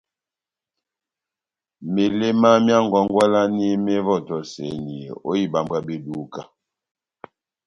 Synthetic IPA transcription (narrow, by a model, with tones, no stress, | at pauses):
me˨le˦ma˦mja˦ŋ˨ɡɔ˨˦ŋ˦ɡwa˦la˦ni˦me˦vɔ˦˨tɔ˨se˨ɲi˨o̰˦i˦˨ba˨mba˦be˦du˦ka˦